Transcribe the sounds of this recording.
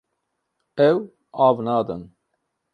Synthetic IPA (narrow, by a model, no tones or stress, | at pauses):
ɛw | aːvnɑːd̪ə̰n